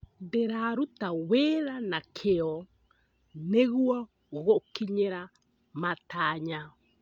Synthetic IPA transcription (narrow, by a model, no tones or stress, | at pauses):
deɾaɾut̪aweɾanakʰeo | neɡua | woɡɔʔkiɲeɾa | mat̪aɲa